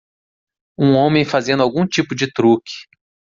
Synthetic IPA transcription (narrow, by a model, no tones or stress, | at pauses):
ũõmẽj̃fazẽd̪ʊawɡũt͡ʃipʊd͡ʒɪt̪ɾukɪ̥